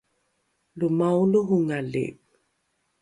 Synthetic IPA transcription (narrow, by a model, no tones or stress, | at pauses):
lumawluɦuŋalḛ